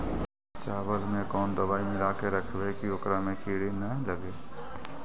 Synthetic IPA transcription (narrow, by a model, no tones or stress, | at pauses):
t͡ʃaːʋəlmẽkɔːnd̪əbaːimẽɾaːkeɾəkʰʋekioːkɾamẽkʰiːɽinələɡeː